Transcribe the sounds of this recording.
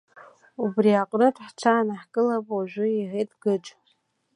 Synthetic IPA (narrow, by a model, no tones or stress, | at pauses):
ubriaqʼnɨdħt͡ʃʷʰaːnaħkʼɨlapʼwaʒʷᶣʊiɦejtʼɡɨʈ͡ʂʷʼ